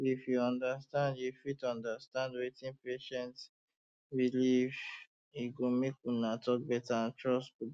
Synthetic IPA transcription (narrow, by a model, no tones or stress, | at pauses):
ifjuɔ̃ndastãndjufitɔ̃ndastãndwetĩnpeʃɛ̃nt | ɹilif | iɡomekunatʰɔk̚bɛtaãntɹɔspu